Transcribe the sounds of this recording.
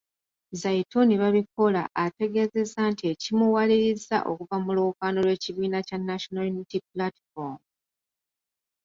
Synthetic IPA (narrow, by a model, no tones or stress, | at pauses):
zaitoniβaβiko̞laːte̞ɡe̞ze̞zantie̞cimuwaliɾiza̰ʔo̞̰kuvamuloːkaːno̞lwe̞ːciβiːnacanːaʃonalnitiplatfom